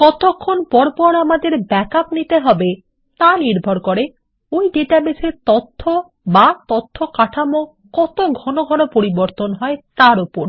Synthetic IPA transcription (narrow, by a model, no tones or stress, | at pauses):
kɔt̪okʰːonpɔɾpɔɾamad̪eɾbɛkapnit̪eɦɔbe | t̪aniɾbʱɔɾkɔɾe | ojɖeʈabeseɾt̪ɔt̪ʰːo | bat̪ɔt̪ʰːokaʈʰamo | kɔt̪oɡʱɔnoɡʱɔnopoɾiboɾt̪onɦɔet̪aɾupoɾ